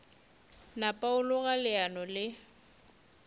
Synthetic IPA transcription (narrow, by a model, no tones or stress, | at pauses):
napʼaʊlɔɣalɪanɔlɪ